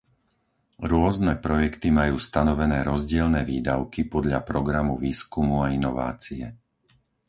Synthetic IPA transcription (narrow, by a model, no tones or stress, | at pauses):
ɾʊɔznɛpɾɔjɛkt̪imajuːst̪anɔʋɛnɛːɾɔzɟɪɛlnɛːʋiːd̪aʊkipɔd̪ʎapɾɔɡɾamuʋiːskumuainɔʋa̰ːt͡siɛ